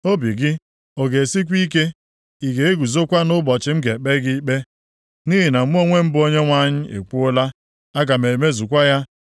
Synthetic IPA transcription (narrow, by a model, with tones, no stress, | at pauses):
o˦bi˨ɡɪ˦ | o˨ɡe˨si˦kʷi˦k̬e˦ | i˨ɡe˨e˦ɡu˨zo˦kʷa˦nʊ˦bɔ˨t͡ʃɪ˨m̩˦ɡe˨k͡pe˦ɡɪ˦k͡pe˦ | ni˦ɦi˨na˨m̩˦o˦ŋʷe˦m̩˦bʊ˦o˦ɲe˦ŋʷa˦˨ɲɪ˦ḛ˨kʷu˦ʊ˦la˦ | a˦ɡa˨me˨me˦zu˨kʷa˦ja˦